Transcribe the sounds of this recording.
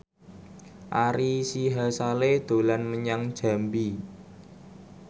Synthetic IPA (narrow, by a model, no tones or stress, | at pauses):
ʔaɾisiɦasaled̪̥o̤lanməɲaŋd̥ʒ̥a̤mbi